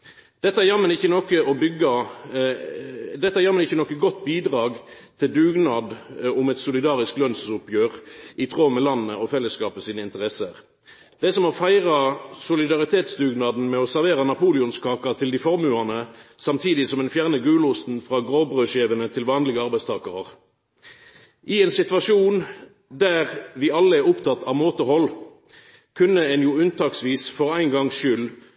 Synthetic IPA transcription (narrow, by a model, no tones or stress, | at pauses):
d̪̥ɛt̪ːəæjɑmːənɪçːənɔkəɔbʏɡːɑ | d̪ɛt̪ːæjɑmːənɪçːənɔkːəɡɔt̪ːbiːd̪ʁɑːɡ | t̪ʰɪld̪ʉːɡnɑːd̪ʊmɛt̪sʊlɪd̪ɑːʁɪsklœnsʊpjøːʁʔɪt̪ʰʁoːmɛlɑnːəʔɔfɛlːəskɑːpmɛsiːnəɪnt̪əʁɛsəʁ | d̪̥ɛsɔmɔfæɪʁɑsʊlɪd̪ɑʁɪt̪ʰeːt̪sd̪ʉːɡnɑːd̪n̩mɛɔsæʁʋeːʁɑnɑpʰuːlɪʊnskʰɑːkɑt̪ʰɪld̪ɪfɔʁmʉɑnəsɑmt̪ʰiːd̪ɪsɔmɛnfjæʁnəɡʉːlʊst̪n̩fʁɑːɡʁoːbʁøːʃeːʋənət̪ʰɪlʋɑːnlɪɡəɑʁbæɪst̪ʰɑːkəʁəʁ | ʔɪɛnsɪt̪ʋɑʂuːn | d̪æʁʋɪɑlːəɛʁʊpt̪ʰɑt̪ːʰɑʋmoːt̪əhɔlː | kʰʉnːəɛnjʊʉnt̪ʰɑːksʋiːsfɔʁæɪnɡɑŋʃʏl